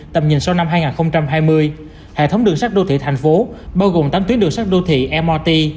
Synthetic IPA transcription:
t̪ə˨˩m̚ɲḭ˨˩nsa˧wna˧mhaː˧jŋaː˨˩nxə˧wŋ͡mt͡ɕa˧mɦaː˧jmɨ˧əj | hḛ˧˨t̪ʰə˨˦wŋ͡mɗɨ˨˩əŋsa˦˥k̚ɗo˧t̪ʰḭ˧˨t̪ʰa˨˩jŋ̟fo˨˦ɓaː˧wɣo˨˩mt̪aː˨˦t̪wi˨˦ənɗɨ˨˩əŋsa˦˥k̚ɗo˧t̪ʰḭ˧˨ʔɛ˧maː˧t̪i˧

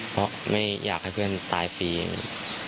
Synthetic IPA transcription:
pʰɔ˦˥ma˥˩jjaː˨˩k̚ha˥˩jpʰɯ˥˩ənt̪aː˧jfiː˧ŋ˨˩

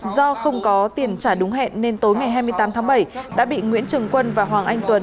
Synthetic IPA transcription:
zɔ˧xə˧wŋ͡mkɔ˨˦t̪i˨˩ənt͡ɕaː˧˩ɗʊ˨˦ŋ͡mɦɛ̰˧˨nːe˧nt̪o˨˦jŋa˨˩jɦaː˧jmɨ˧əjt̪aː˨˦mt̪ʰaː˨˦ŋɓə˧˩jɗa̰ː˧˥ɓḭ˧˨ŋwḭ˧˥ənt͡ɕɨ˨˩əŋkwə˧nvaː˨˩ɦwaː˨˩ŋʔa˧jŋ̟t̪wə˨˩n

